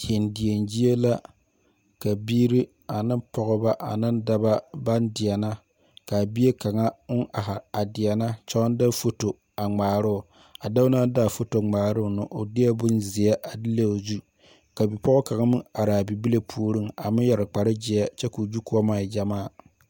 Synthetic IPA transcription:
he˨ndɪ˨e˨nd͡ʒi˦e˦la˦ | ka˨biː˦ɾi˦ | a˨nɨ˦mpɔ˨ɣʊ˦ba˦ʔa̰˨nɨ˦nda˦ba˦ba˦ndɪ˨ɛ˨na˦ | ka˨bi˦e˦ka˨ŋa˦ʔa˨ɦa˨a˨dɪ˨ɛ˨na˦t͡ʃɔ˦n˦da˦fo˦to˨ | a˨ŋ͡maː˨ɾʊ˦ʊ˨ | a˨da˦na˦da˦˨fo˦to˨ŋ͡maː˨ɾʊ˦ʊ˨nɨ˦ʔo˨dɪ˦ɛ˦bʊ˦nzɪ˨ɛ˦ʔa˨di˦le˦o˨zu˦ | ka˨bi˨pɔ˦ʊ˦ka˨ŋa˦mɨ˦a˨ɾa˨a˨bi˨bi˦le˦pʰuː˦ɾɨ˦ŋa˨mɪ˦jɛ˨ɾɨ˨k͡pa˨ɾɨ˦d͡ʒɪ˨ɛ˦t͡ʃɛ˦ku˨d͡ʒu˦ku˦ɔ˦maː˦˨d͡ʒa˨maː˦˨

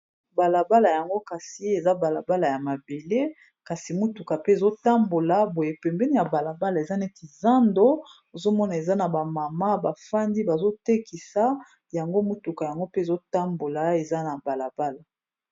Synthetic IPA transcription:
ba˨la˨ba˦la˨ja˨ŋɡo˦ka˨si˨˦e˨za˦ba˨la˨ba˦la˨ja˨ma˨be˨le˦ | ka˨si˨mu˦tu˨ka˨pe˦e˨zo˦ta˦mbo˨la˨bo˨je˨pɛ˨mbɛ˦ni˦ja˨ba˨la˨ba˦la˨e˨za˦ne˦ki˨za˦ndo˦ | o˨zo˦mɔ˦na˨e˨za˦na˨ba˨ma˨ma˦ba˨fa˦ndi˦ba˨zo˦te˦ki˨sa˦ | ja˨ŋɡo˦mu˦tu˨ka˨ja˨ŋɡo˦pe˦e˨zo˦ta˦mbo˨la˨e˨za˦na˨ba˨la˨ba˦la˨

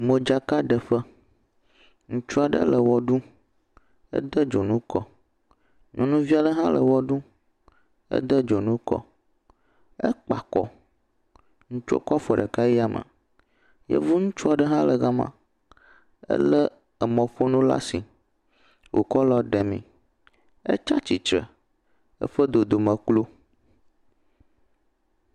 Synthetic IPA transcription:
mə˨d͡ʒa˦ka˦ɖə˨ɸə˦ | ŋũ˦t͡ʃu˦a˨ɖə̰˦lə˨wɔ˨ɖu˦ | ə̰˦d̪ə˦d͡ʒo˨nũ˦kɔ̰˦ | ɲʔɔ̃˨nũ˦vi˦a˦ɖə˦ɦã˦lə˨wɔ˦ɖu˦ | ə̰˦d̪ə˦d͡ʒo˨nũ˦kɔ̰˦ | ə˦k͡pa˨kɔ̰˦ | ŋũ˦t͡ʃo̰˦kɔ˦fo˨ɖə˨ka˦i˦a˨mʔə̰̃˨ | jə̰˦vu˦ŋũ˦t͡ʃu˦a˨ɖə˦ɦã˦lə˨ɣa˦mã̰˨ | ə̰˦lə˦ | ə˨mɔ̃˨ɸo˦nũ˦la̰˦si˨ | wʔo̰˨kɔ˦lɔ˦ɖɛ˨mḭ̃˨ | ə̰˦t͡ʃa˦t͡ɕi˨t͡ʃɾə̰˨ | ə̰˦ɸə˦d̪o˨d̪o˨mə˨klo˦

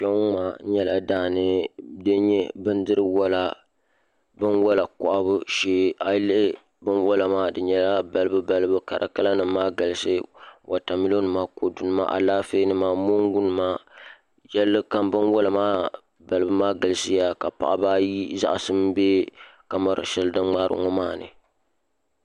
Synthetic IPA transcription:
ʃɛ˦ŋ˦maː˨˦ɲɛ˦la˨daː˦˨nɨ˦dɨ˦ɲɛ˦bɨ˦ndɨ˦ɾɨ˦wa˦la˨ | bɨ˦nwɔ˦la˨kɔ̰˨ʔa˦bɨ˦ʃeː˦ʔa˨˦lɪ˦ɪ˦ | bɨ˦nwɔ˦la˨maː˦dɨ˨ɲɛ˨la˦ba˨lɨ˦bɨ˦ba˨lɨ˦bɨ˦ka̰˨ɾʔa̰˨ka˦la˦nɨ˨mːaː˦ɡɨ˨lɨ˦sɨ˦wʔa˨ta˨mi˦lo˦nɨ˨maː˦ko˨du˨nɨ˦ma̰˦˨ʔa̰˨laː˦feː˦nɨ˦maː˦mo˦ŋ˦ɡu˦nɨ˨maː˦ | jɛ˦lːɨ˦ka˦mbɨ˦nwa˦la˨maː˦ | ba˨lɨ˦bɨ˦maː˦ɡa˨lɨ˦sɨ˦ja˦ka˨pa̰˨ʔa̰˦baː˦ji˦za̰˦ʔsɨ˦m˦beː˦ka˨ma˦ɾɨ̰˨ʃɛ˦lɨ˦dɨ˦ŋ͡ma˦ɾɨ̰˦ŋɔ˦maː˦˨nɨ̰˨

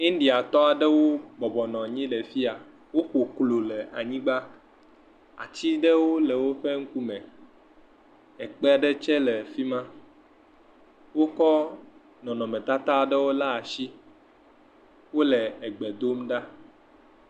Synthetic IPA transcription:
ĩ˦n˦ɖi˨a˨t̪ɔ˦a˨ɖɛ˦wo˦bɔ˨bɔ˨nɔ̃˨ɲĩ˦lɛ˨fi˦a˨ | wo˦ɸo˨klo˨lɛ˨a˨ɲĩ˦ɡ͡ba˦ | a̰˨t͡ɕi˦ɖɛ˦wo˦lɛ˨wo˦ɸɛ˦ŋ̩˦ku˦mɛ̃˨ | ɛ˨k͡pɛ˦a˨ɖɛ˦t͡ʃɛ˦lɛ˨fi˦mã˦ | wo˦kɔ˦ | nɔ̃˨nɔ̃˨mɛ̃˨t̪a˦t̪a˦a˨ɖɛ˦wo˦la˦a˨ʃi˦ | wo˦lɛ˨ɛ˨ɡ͡bɛ˨d̪o˦mɖa˦

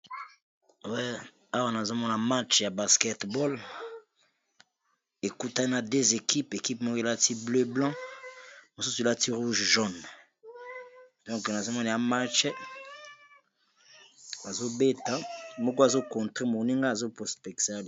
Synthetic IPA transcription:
wɛ˦ | a˦wa˦na˨zo˦mɔ˦na˨ma˦t͡ʃja˨ba˨skɛ˦tbɔ˦l | e˨ku˦ta˦na˨de˦ze˨ki˦pe˨ki˦p̚mɔ˦ko˦e˨la˦ti˦blø˦blɑ̃˦ | mo˨su˦su˨la˦ti˦ʁu˦ʒʒɔ˦n | d̥ɔ̃˦ŋkna˨zo˦mɔ˦na˨ja˨˦ma˦t͡ʃɛ˦ | a˨zo˦be˦ta˨mo˦ko˦a˨zo˦kɔ̃˨tʁe˦mo˨ni˦ŋɡa˦a˨zo˦pɔ˨spɛ˨ksa˦l

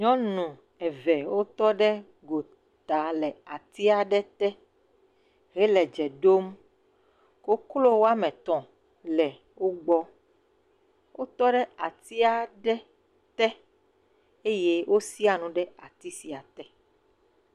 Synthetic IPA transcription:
ɲɔ̃˦nũ˨ | ɛ˨vɛ˨wo˦t̪ɔ˦ɖɛ˦ | ɡo˨ | t̪a˨lɛ˨a˨t̪i˦a˨ɖɛ˦t̪ɛ˦ | ɦɛ˦lɛ˨d͡ʒɛ˨ɖo˦m | ko˦klo˦wo˦a˦mɛ̃˨t̪ɔ̃˨ | lɛ˨ | wo˦ɡ͡bɔ˦ | wo˦t̪ɔ˦ɖɛ˦a˨t̪i˦a˨ɖɛ˦ | t̪ɛ˦ | e˦je˦wʔo˦si˦a˨nũ˨ɖɛ˦a˨t̪i˦si˨a˨t̪ɛ˦

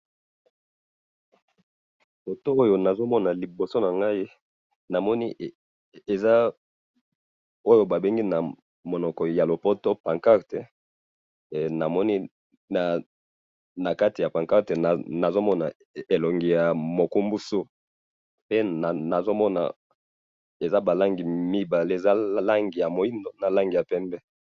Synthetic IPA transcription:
po˨to˦o˦jo˦na˨zo˦mɔ˦na˨li˨bo˨so˦na˨ŋɡa˦i˦ | na˨mɔ˦ni˦˨ | e˨za˦ | o˦jo˦ba˨be˦ŋɡi˦na˨ | mo˨nɔ˨kɔ˨ja˨lo˨po˦to˦pa˨ŋka˦ʁte˨ | na˨mɔ˦ni˦ | na˨ | na˨ka˦ti˨ja˨pã˨ŋka˦ʁte˨na˨na˨zo˦mɔ˦na˨ | e˨lo˨ŋɡi˨ja˨mo˨ku˦mbu˦so˦ | pe˦a˨na˨zo˦mɔ˦na̰˨ | e˨za˦ba˨la˦ŋɡi˨mi˦ba˨le˦e˨za˦la˦ŋɡi˨ja˨mo˨i˦ndo˦na˨la˦ŋɡi˨ja˨pɛ˦mbɛ˦

